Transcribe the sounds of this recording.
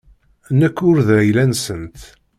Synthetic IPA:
nəkːʊɾðæjlænsənt̪

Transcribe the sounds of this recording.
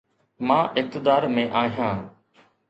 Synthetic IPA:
mãːʔɪk̚t̪ɪd̪aːɾmẽːʔaːɦjãː

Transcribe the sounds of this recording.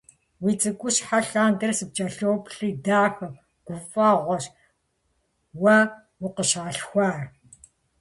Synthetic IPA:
wit͡sʼɨkʷʊʃħaɬaːndɐrsɨp̚t͡ʃʼɐɬoːpɬiːdaːxɐ | ɡ̥ʷʊfaːʁʷɔʃ | wɐ | wʊqəʃaːɬxʷaːr

